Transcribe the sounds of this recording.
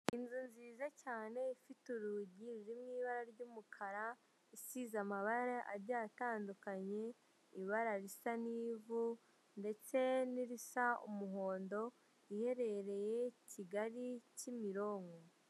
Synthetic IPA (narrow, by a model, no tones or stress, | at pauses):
inzunziːzacaːne̞ifituɾuɟiɾiɾimŋiːβaɾaɾɟuːmukʰaɾa | isizamaβaɾaʔa̰ɾɟaːtaːndukaɲe̞ | iβaɾaɾisan̥iːvu | nde̞t͡se̞niɾisaṵmuɦo̞ːndo̞ | ihe̞ɾe̞ɾe̞je̞ciɡaɾicimiɾo̞ːŋɡo